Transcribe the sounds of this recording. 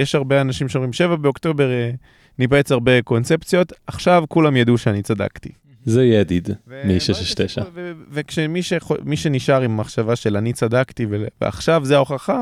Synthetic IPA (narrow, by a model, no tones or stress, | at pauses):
jeʃhaʁbeanaʃimʃeomʁimʃe̞vabeokt̪o̞be̞ʁe | nipet͡saʁbe̞ko̞nt͡se̞pt͡sjo̞t̪aχʃavkulamjad̪uʃeanit͡sada̰kt̪i | zejead̪id̪vemiʃeʃʃt̪eʃa̰vevekʃemiʃeχomiʃe̞niʃaʁimːaχʃavaʃe̞lanit͡sad̪akt̪ivevḛa̰χʃavzeaoχaχa